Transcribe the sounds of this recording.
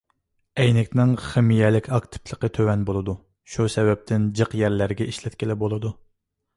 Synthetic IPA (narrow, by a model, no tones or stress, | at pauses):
ɛjnɪkʲnɪŋχɪmijɛlɪkʲʰɑkt̪ʰɨ̥pʰlˠəqət̪ʰøwɛnbolˠɨd̪u | ʃusɛvɛp̚t̪ʰɪnd͡ʒəqjæɾlæɾɡʲɛʔiʃlɛt̪̚kʲɪlɪbolˠɨd̪u